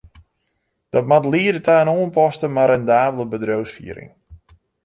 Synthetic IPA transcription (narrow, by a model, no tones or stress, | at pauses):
d̥ɔtmatliədətaːnoənpɔstəmaɾɛndaːbələbədrowsfḭəɾɪ̰ŋ